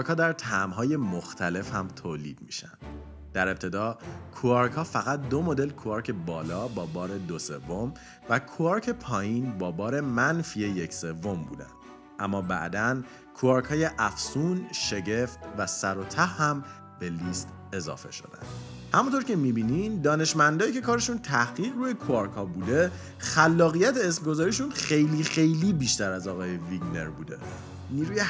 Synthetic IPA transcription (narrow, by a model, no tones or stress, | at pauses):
ɾkhɒːd̪æɾt̪ʰæmɦɒːje̞moxt̪ʰæle̞fhæmt̪ʰoːlḭːd̪̥̚mḭːʃæ̰nd̪̥ | d̥̪æɾe̞p̚t̪ʰe̞d̪ɒːkʰuɑɾkʰhɒːfæɣæt̪̚d̪o̞mod̪e̞lkʰuɑɾcʰe̞bɒːlɒːbɒːbɒːɾe̞d̪ose̞vːo̞m | vækʰuɑɾcʰe̞pʰɒːjiːnbɒːbɒːɾe̞mænfijeje̞cse̞vːombṵːd̪æ̰nd̪̥ | ʔæmːɒːbæ̰ʔd̪æn | kʰuɒːɾkʰhɒːje̞ʔæfsuːnʃe̞ɟe̞ft̪væsæɾo̞t̪ʰæhːæm | b̥elist̪ | e̞zɒ̰ːfe̞̰ʃo̞̰d̪æ̰nd̪̥ | hæmunt̪ʰo̞ɾcʰe̞mibiːnind̪ɒːne̞ʃmænd̪ɒːjiːcʰe̞kʰɒːɾeʃunt̪ʰæhɣiːɣɾuːjekʰuɒɾkʰhɒːbuːd̪e̞ | xælːɒːɣijæt̪ʰeːsmɡo̞zɒːɾiʃunxe̞jliːxe̞jlibiːʃt̪æɾæzɒːɣɒːje̞viɟne̞̰ɾbuːd̪e̞̰ | niːɾuje